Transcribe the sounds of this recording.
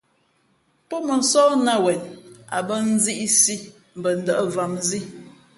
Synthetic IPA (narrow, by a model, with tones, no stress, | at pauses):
pɔ˦mə˨n̩˨sɔː˦na˦˨wɛ˨na̰˨bə˦n̩˦zi˦ʔi˦si˦ | m̩˨bə˨n̩˨də˦ʔə˦va˨mzi˦